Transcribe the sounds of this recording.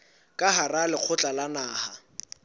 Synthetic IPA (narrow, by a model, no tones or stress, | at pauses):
kʼaɦaralɪq͡χʰʊt͡ɬʼalanaːha